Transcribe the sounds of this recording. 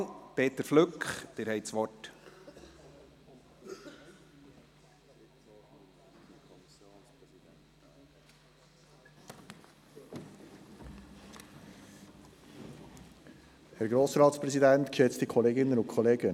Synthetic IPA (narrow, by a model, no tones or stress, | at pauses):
pʰeːt̪əɾflʏkχd̪̥ɪːɾhɛɪtsʋɔt | p | hæːɾɡɾoːsɾɑːtspɾɛsidɛnt̪kʃɛt͡stikʰɔleːɡɪnːənʊnkʰɔleːɡə